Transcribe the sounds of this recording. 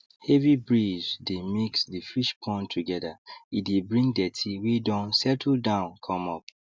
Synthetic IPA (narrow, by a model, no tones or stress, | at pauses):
hɛvibɹid͡ʒdemiksdifiʃpʰɔ̃ntʰuɡɛdait̚debɹĩŋdɛtʰiwidɔ̃nsɛtʰldãʊ̃nkʰɔ̃mɔp̚